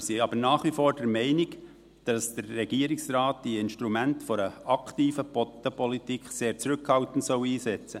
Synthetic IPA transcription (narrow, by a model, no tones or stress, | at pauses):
siɑbəɾnɑːχʋifoːɾd̥ɛɾmɛɪnɪk | d̥ɑsd̥ərːɛɡ̥iːəɾɪksraːt̚d̥iɪnʃtɾumæntfɔɾəɑkʰtiːfəpɔt̪əpɔlitikχseːɾt͡sɾʏkhɑltn̩tsɔʊiːsɛt͡sə